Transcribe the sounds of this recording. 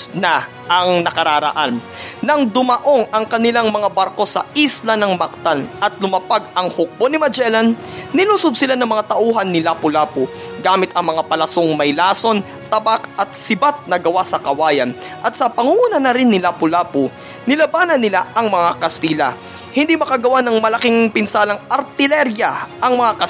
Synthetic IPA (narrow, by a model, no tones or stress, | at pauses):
nɐ | ʔɐŋnɐkɐɾaɾɐ̰ʔanː | ɐŋd̪ʊmɐʔo̞ŋɐŋkɐnɪlaŋmɐŋabaɾko̞sɐ̰ʔislɐnɐŋmɐk̚t̪anʔɐt̪̚lʊmɐpaɡ̚ɐŋhʊk̚bonɪmɐd͡ʒɛlɐnː | ɪluːsob̚sɪlanɐŋmɐŋat̪ɐʔuːɦɐnːɪlapʊlaːpʊ | ɡaːmɪt̪ɐŋmɐŋapɐlɐsoŋmɐjlaːso̞n | t̪ɐbakʔɐt̪̚sɪbat̪̚nɐɡɐwasɐkɐwaːjɐn | ʔɐt̪sɐpɐŋuŋuːnɐnɐɾɪnːɪlapʊlaːpʊ | nɪlɐbaːnɐnɪlaʔɐŋmɐŋakɐst̪iːlɐ̰ | hɪnd̪imɐkaɡɐwanɐŋmɐlɐkiŋpɪnsaːlɐŋɐɾt̪ɪlɛɾjɐʔɐŋmɐŋakɐ